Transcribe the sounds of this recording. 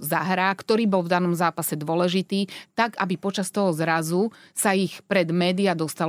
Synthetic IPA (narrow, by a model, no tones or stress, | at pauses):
zaɦɾaːkt̪ɔɾiːbɔlvd̪anɔmzaːpasɛd̪ʊɔlɛʒit̪iːt̪aɡa̰bipɔt͡ʃast̪ɔɦɔzɾazu | saixpɾɛd̪mɛːd̪iad̪ɔst̪al